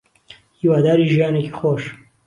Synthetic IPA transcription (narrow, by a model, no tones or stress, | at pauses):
hiːwaːd̪aːɾiːʒijaːnekixoːʃ